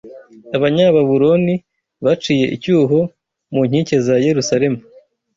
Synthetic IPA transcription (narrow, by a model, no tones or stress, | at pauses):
aβaɲaβaβuɾo̞ni | βat͡ʃije̞̰ʔḭcuːɦo̞ | muɲhice̞zaje̞ɾusaɾe̞mu